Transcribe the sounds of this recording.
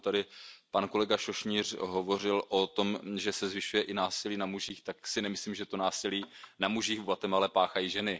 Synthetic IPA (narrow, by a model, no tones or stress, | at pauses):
t̪adɪpanko̞lɛɡaʃoʃɲiːr̝ɦovo̞rɪlʔot̪o̞mʒɛsɛzvɪʃujɛʔɪnaːsɪliːnamuʒiːxt̪aksɪnɛmɪsliːmʒɛt̪onaːsɪliːnamuʒixvat̪ɛmalɛpaːxajiːʒɛnɪ